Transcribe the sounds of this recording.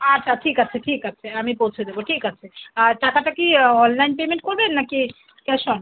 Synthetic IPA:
atːɕʰaʈʰikat͡ɕʰeʈʰikat͡ɕʰeamipowt͡ɕʰed̪eboʈʰikat͡ɕʰeaʈakaʈakiɔnlajnpemẽɳʈ̚koɾbenːaki | kɛʃon

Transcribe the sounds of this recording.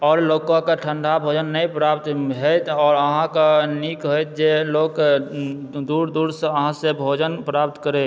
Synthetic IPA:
ɔːɾloːkõkaʈʰə̃ɳɖʱabʱoːd͡ʒənːəĩpɾap̚t̪ɦot̪ʰɔːɾəɦãkanikɦojt̪̚d͡ʒeloːk | d̪uːɾd̪uɾsəɦãsebʱoːd͡ʒənpɾap̚t̪kəɾẽ

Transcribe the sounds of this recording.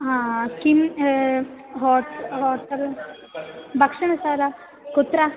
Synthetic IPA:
ɦãkim | ɦoːtɦoːɾt̪ɐl | bʱɐkʂɐɳɐsaːlɐ | kut̪ɾa

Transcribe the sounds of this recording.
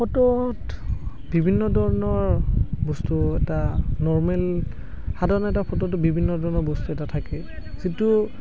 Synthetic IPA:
pʰɔtɔt | bibʱinːɔdʱɔɹɔnɔɹbɔstuɛtanɔɹmɛl | xadʱaɹnɔɛtapʰɔtɔtbibʱinːɔdʱɔɹnɔɹbɔstuɛtatʰakɛ | z̥itu

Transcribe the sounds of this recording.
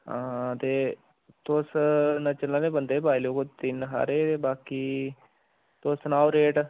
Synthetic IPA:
ɦãːt̪eː | t̪oːsnət͡ʃəlːaːnẽbənd̪ebaːiloːkot̪ɪnɦa̰ːɾeːt̪eːbaːki | t̪osnaːwɾeːʈ

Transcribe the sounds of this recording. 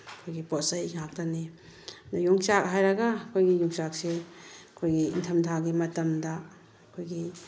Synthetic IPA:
kʰojɡipotsɐjŋak̚tani | dajuŋt͡ʃak̚ɦajɾɐɡakʰojɡijuŋsak̚seɐkʰojɡiintʰɐmdʰaɡimɐtɐmdɐ | kʰojɡi

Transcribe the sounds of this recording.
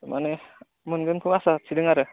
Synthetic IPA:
ma̰ne | munɡɯnkʰuŋasat͡ʃʰidɯŋaɾɯ

